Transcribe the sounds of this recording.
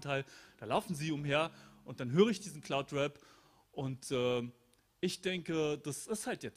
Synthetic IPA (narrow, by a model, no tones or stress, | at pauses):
tʰaɪld̥aːlaʊfn̩ziːʊmɦeːɐʔʊnt̚d̥anɦøːʁ̞əɪçd̥iːzn̩kʰl̥aʊt̚ʁɛp | ʔʊntʔɛː | ʔɪçd̥ɛŋkəd̥asɪsthaltjɛt͡s